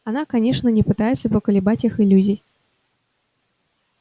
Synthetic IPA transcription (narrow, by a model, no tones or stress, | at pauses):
anakanʲeʂnənʲɪpɨt̪ajɪt̪səpəkəlʲɪbat͡sʲixɪlʲuzʲij